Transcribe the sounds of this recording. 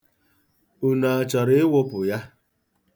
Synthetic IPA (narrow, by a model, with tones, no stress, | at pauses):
u˨na˨a˨t͡ʃɔ˨ɾɪ˦ɪ˦wʊ˦pʊ˨ja˦